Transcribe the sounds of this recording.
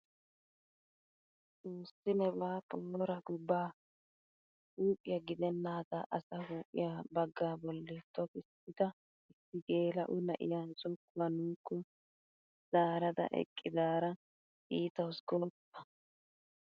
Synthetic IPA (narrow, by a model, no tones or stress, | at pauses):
t͡suːsːɪnɛbaːp̪ʰʼɔmːɔɾɐɡʊbːaː | huːpʼːɪjɐɡɪd̪ɛnːaːd̪ɐʔɐsɐhuːpʼɪ̰jaːbɐɡːaːbɔlːɛt̪ːɔkɪs | ɪt̪ɐ | ɪsːɪɡeːlɐ̰ʔʊnɐʔɪ̰jaːnsʼʊkːʊɐnuːkːɔ | z̥aːɾɐd̪ɐ̰ʔɛ̰kʼːɪd̪aːɾɐ | ʔiːt̪ɐwsɡɔpːɐ̥